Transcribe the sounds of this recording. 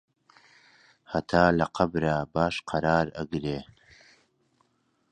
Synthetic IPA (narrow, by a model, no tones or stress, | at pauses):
hɐt̪ʰaːlɐqʰɐbɾaːbaːʃqʰɐɾaːɾɐ̰ɡɾeː